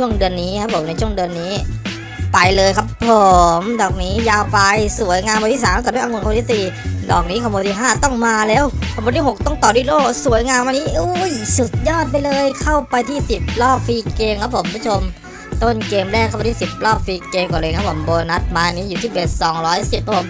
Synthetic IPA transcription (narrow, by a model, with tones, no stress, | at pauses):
t͡ɕʰu˥˩əŋdɯ˧ənːiː˦˥kʰa˦˥pʰːo˩˦mna˧jt͡ɕʰu˥˩əŋdɯ˧ənːiː˦˥ | pa˧jlɤː˧jkʰa˦˥pʰːo˨˩mdɔː˨˩k̚niː˦˥jaː˧wpa˧jsu˨˩˦əjŋaː˧mwa˧nt̪ʰi˥˩saː˨˦maː˥˩˧ʔŋu˧nkʰa˧˦˥siː˨˧dɔː˨˩k̚niː˦˥kʰa˧˩mbːnt̪ʰiː˥˩ɦaː˥˩t̪ɔ˥˩ŋmaː˧lɛː˦˥wkʰɔ˨˩moː˧nt̪iː˥˩ɦo˨˩k̚t̪ɔ˥˩ŋt̪ɔː˨˩dwuː˥˩loː˥˩ksu˨˩˦jŋaː˧nwa˧niː˦˥ʔu˦˥jsu˨˩t̪̚jɔː˥˩t̪̚pa˧jlɤː˧jkʰa˥˩wpa˧jt̪ʰiː˥˩si˨˩p̚lɔː˥˩p̚fiː˧keː˧mkʰa˦˥pʰo˩˦mkʰu˦˥˩t͡ɕʰo˧m | t̪o˥˩nkeː˧mɾɛː˥˩kʰa˥˩pa˧˩t̪ʰiː˥˩si˨˩p̚lɔː˥˩p̚fiː˧keː˧mkɔː˨˩lɤː˧kʰa˦˥pʰːo˩˦mboː˧na˦˥t̪̚maː˧niː˦˥juː˨˩t̪ʰiː˥˩be˨˩t̪̚sɔː˩˦ŋɾɔː˦˥jsi˨˩p̚ʰːa˥o˩˦m